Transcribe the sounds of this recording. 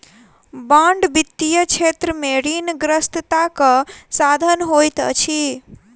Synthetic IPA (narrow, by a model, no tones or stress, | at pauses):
bãɳɖbit̪ːijət͡ʃʰet̪ɾəmeɾinɡɾəst̪t̪akəsad̪ʱənɦojt̪ə̰t͡ʃʰi